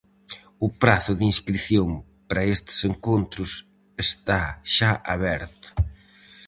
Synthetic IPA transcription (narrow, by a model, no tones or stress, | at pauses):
ʊpɾaθʊðinskɾiθjoŋ | paɾɐest̪ɪ̥seŋkont̪ɾʊs | est̪aʃaʔaβɛɾt̪ʊ̥